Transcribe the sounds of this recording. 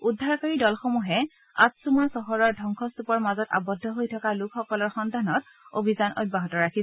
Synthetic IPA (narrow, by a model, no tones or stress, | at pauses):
udʱːaɹkaɹidɔlxomuɦɛ | a̰tsumɔsɔɦɔɹɔɹdʱɔŋkʰɔstupɔɹmazɔta̰bɔdʱːɔɦojtʰɔkalʊkʰxɔkɔlɔɹxɔndʱanɔt | o̰bʱizanʔɔ̰t̚baɦɔtɔɹakʰis